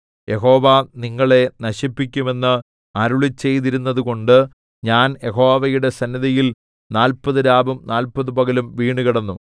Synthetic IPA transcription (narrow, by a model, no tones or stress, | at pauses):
jʔe̞ɦo̞ːʋɐniŋːɐɭe̞nɐɕipːikʲːume̞nːɨ | ɐɾuɭit͡ɕːe̞jt̪iɾunːɐðuko̞ɳɖɨ | ɲaːnje̞ɦo̞ːʋɐjuɽe̞sɐnːiðɐjil | naːlpɐðɨɾaːbɐmnaːlpɐðɨpɐɣɐlumʋiːɳɖuɣiɽɐnːu